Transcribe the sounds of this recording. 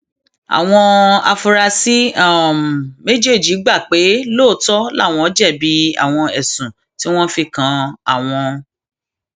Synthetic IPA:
a̰˨w̃ɔ̃˧a̰˧fo˧ɾa˧si˦ã˦˨me˦d͡ʒe˦˨d͡ʒi˨˦ɡ͡ba˦˨k͡pe˨˦loː˦˨tɔ˦la̰˦˨w̃ɔ̃˧˦d͡ʒɛ˦˨bi˨˦a̰˨w̃ɔ̃˧ɛ˨sũ˨ | ti˨˦w̃ɔ̃˦fi˧kã˨a̰˨w̃ɔ̃˧

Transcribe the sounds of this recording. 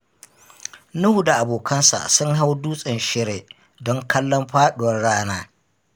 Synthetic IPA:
nʊ˦hu˨da˨ʔa˨boː˨kɐ˦nsa̰˨sʊ˦ŋɦa˦wduː˦sʼɪ˨nʃɪ˦ɾe˨ | dɔ˦ŋkʰɐ˦lːɔ˦mɸaː˦ɗʊ˨wɐ˦rɽaː˦naː˦

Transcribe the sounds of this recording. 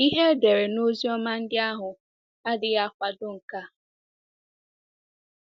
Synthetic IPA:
i˦ɦe˦de˨ɾe˨no˦zi˦ɔ˦ma˦n̩˦dɪ˦a˦ɦʊ˨ | a˦dɪ˦a˦kʷa˨dʊ˦ŋ̩˨ka˦˨

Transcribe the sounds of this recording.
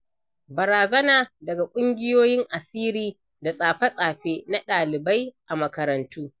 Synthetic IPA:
bɐ˨ɾaː˨zɐ˦naː˨dɐ˨ɡa˨kʷʼʊ˦ŋɡʲɪ˦joː˦jɪ˦ŋʔa˨siː˦ɾiː˦ | da˨sʼaː˨ɸɐ˦sʼaː˨ɸeː˦na˦ɗaː˨lɪ˨ba˦jʔa˨mɐ˨kɐ˨ɾɐ˨ntʰuː˦

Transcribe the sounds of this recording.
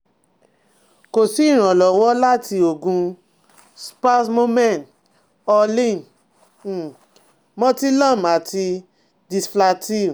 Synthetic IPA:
ko˨si˨˦i˦˨ɾ̃ã˨lɔ˨wɔ˦la˦tʰi˧o˨ɡũ˧ | spa˦tmo˦mɛ̃˦˨n | ɔ˧lĩ˦˨n̩˨ | mɔ̃˦ti˦lã˦˨ma˨ti˧ | di˧sfla˧ti˦˨

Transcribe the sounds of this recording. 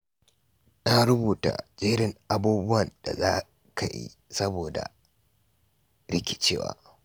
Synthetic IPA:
na˦ɽʊ˦buː˨ta̰˨d͡ʒeː˦ɽɪ˦˨ŋʔa˦buː˦bʊ˦wɐ˨nda˨zaː˦ | ka˨jḭ˦ | sɐ˦boː˨da̰˨ | ɽɪ˦kʲɪ̥˦t͡ʃeː˦wa̰ː˨

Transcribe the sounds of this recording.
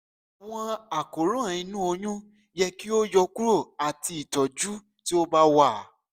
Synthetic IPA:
w̃ɔ̃˧a˨ko˨ɾõ˦ã˨ĩ˧nũ˦o˧ɲũ˦ | jɛ˧ki˦o˦jɔ˧ku˦ɾo˦˨a˨ti˧i˨tɔ˨d͡ʒu˦ | ti˦o˦ba˧wa˦˨

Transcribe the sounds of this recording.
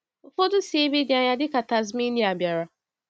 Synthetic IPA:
ʊ˨fo˦dʊ˦si˨˦e˦be˦di˨˦a˨ɲa˦dɪ˦ka˨ta˨zmi˦di˦a˨bja˨ɾa˨

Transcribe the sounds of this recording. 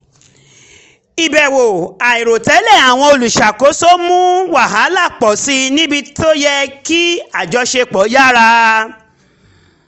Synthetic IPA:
i˨bɛ˨wo˨a˨i˨ɾo˨tɛ˨˦lɛ˦˨a˨w̃ɔ̃˧o˧lu˨ʃa˨ko˨˦so˦mũ˦wa˦˨ɦa˨˦la˦˨k͡pɔ˨si˧˦nĩ˦bi˧to˦jɛ˧ki˦a˨d͡ʒɔ˧ʃe˧k͡pɔ˨˦ja˦ɾa˧

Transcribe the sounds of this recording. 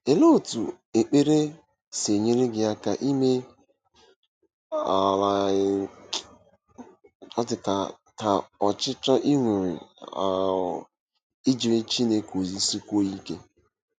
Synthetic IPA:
e˨lo˦˨tu˨ | e˨k͡pe˦ɾe˦ | se˨ɲe˦ɾi˦ɡɪ˨a˦ka˨ʔi˦me˦ | a˨la˨ | ɔ˦tɪ˨ta˨ | ta˨ɔ˨t͡ʃɪ˦t͡ʃɔ˦ʔi˦ŋʷe˨ɾɪ̰˨a̰˨ | i˦d͡ʒi˨ɾe˦t͡ʃi˦ne˦ko˨zi˦si˦kʷo˦i˦ke˦

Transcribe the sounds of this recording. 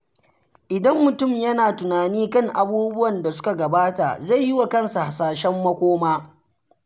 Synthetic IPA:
ʔɪ˨dɐ˦mːʊ˨tʊ˦˨mjɐ˦naː˨tʊ˨naː˨niː˦kɐ˦ŋʔa˨buː˦bʊ˦wɐ˨nda˨sʊ̥˦ka˨ɡɐ˨baː˦ta̰˨za˦˨jːɪ˦wa˨kɐ˦nsa˨ha˨saː˨ʃɛ˦mːɐ˦kʷoː˦maː˦

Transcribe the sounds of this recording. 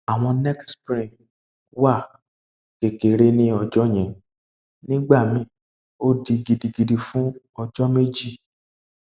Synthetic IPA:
a˨w̃ɔ̃˧nɛ˦kspɾĩ˨ | wa˦˨ | ke˨ke˨ɾe˦nĩ˦ɔ˧d͡ʒɔ˦j̃ɛ̃˨ | nĩ˦ɡ͡ba˦˨mĩ˨˦ | o˦di˧ɡi˨di˨ɡi˨di˧fũ˦ | ɔ˧d͡ʒɔ˦me˦d͡ʒi˦˨

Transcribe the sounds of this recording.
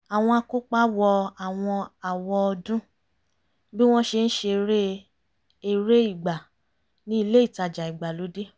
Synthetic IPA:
a˨w̃ɔ̃˧a˧ko˦k͡pa˦wɔ˧a˨w̃ɔ̃˧a˨wɔ˧ɔ˧dũ˦ | bi˦w̃ɔ̃˦ʃe˧n̩˦ʃe˧ɾe˦ | e˧˨ɾe˦i˦˨ɡ͡ba˨ | nĩ˦i˦˧le˦i˦˨ta˧d͡ʒa˨i˨ɡ͡ba˨lo˨˦de˦

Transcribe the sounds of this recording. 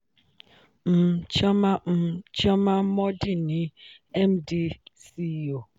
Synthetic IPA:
m̩˨t͡ʃa˦ma˦m̩˨t͡ʃa˦ma˦mɔ˦di˦ni˨ɛ˦mdi˦si˦o˨

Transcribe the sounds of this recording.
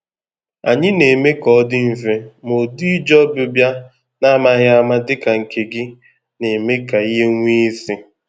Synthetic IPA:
a̰˨ɲɪ˦ne˨me˦kɔ˨˦dɪ˦m̩˨ve˦mo˨di˦d͡ʒɔ˦bʊ˦bja˦ | na˦ma˦ɦjɪ˦a˦ma˦dɪ˦ka˨ŋ̩˨ke˨ɡɪ˦ | ne˨me˦ka˨i˦ɦe˦ŋʷi˦si˦

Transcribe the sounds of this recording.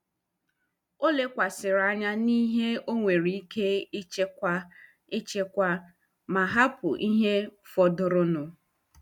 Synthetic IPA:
o˦le˦kʷa˨sɪ˨ɾa˦ɲa˦ni˦ɦe˦o˦ŋʷe˨ɾi˨i˦ke˦ɪ˦t͡ʃe˦kʷa˦ | ɪ˦t͡ʃe˦kʷa˦ | ma˨ɦa˦pʊ̰˨ʔi˦ɦe˦fɔ˨dʊ˨ɾʊ˦nʊ˨

